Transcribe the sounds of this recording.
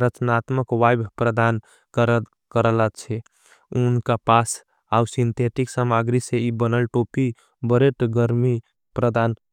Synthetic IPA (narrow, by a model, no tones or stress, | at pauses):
ɾət͡ʃnat̪məkʋajbʱpɾəd̪an | kəɾə | kəɾələt͡ʃʰɛ | unkapas | awsint̪ʰeʈiksamaɡɾiseibənəlʈopi | bəɾeʈɡəɾmi | pɾəd̪an